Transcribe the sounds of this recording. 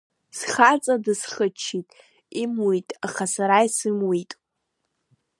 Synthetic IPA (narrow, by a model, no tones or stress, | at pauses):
sχat͡sʼadɨsχət͡ʃʰitʼ | imwitʼaχasaɾaisɨmwitʼ